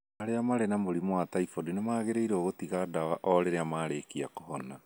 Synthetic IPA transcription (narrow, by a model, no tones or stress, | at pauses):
aɾeamaɾenamoɾimoataifodinamaːɣeɾeiɾoɣotiɣadawaʔɔɾeɾeamaːɾeːkiakohɔna